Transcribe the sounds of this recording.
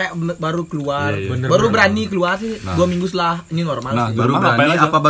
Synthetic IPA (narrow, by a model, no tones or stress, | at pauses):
aaʔbaɾukəluarbənbaɾubəɾanikəluarsɪhduamiŋɡus̬əlahininɔrmaliaɾubaiapaba